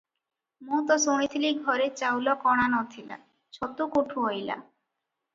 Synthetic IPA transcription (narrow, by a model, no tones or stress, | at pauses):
mut̪ɔsoɽ̃it̪ʰiliɡʱɔɾet͡ɕawlɔkɔɽ̃anɔt̪ʰila̰ | ʃɔt̪ukoʈʰuɦojla̰